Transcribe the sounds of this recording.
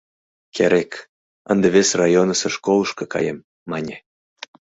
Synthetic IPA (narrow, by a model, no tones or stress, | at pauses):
kʲʰeɾʲek | ənd̪eβʲesrɑjonəseʃkolɤʃkɤkɑ̰jemː | ɑnʲe